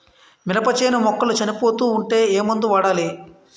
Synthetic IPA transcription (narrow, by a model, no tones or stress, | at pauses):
milɐpɐt͡ʃɐjnɐmɔkːɐlut͡ʃɐnipo̞ːt̪uːɳʈe̞ːeːmɐnd̪uʋaːɽaːle